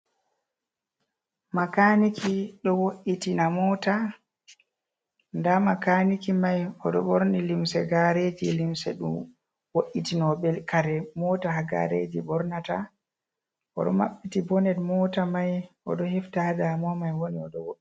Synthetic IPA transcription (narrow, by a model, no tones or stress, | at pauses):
makanikʰiɗɔwoʔitinamɔta | ndamakanikimajɔɗɔɓɔɾnilimsɛɡaɾed͡ʒilimsɛɗṵ | woʔitinɔɓɛlkaɾɛmɔtaɦaɡa̰ɾḛd͡ʒḭbɔɾnata | ʔɔ̰ɗɔ̰maɓːitibɔnɛdmɔtamajʔɔ̰ɗɔhɛftadamɔmajwoniɔɗɔwoʔi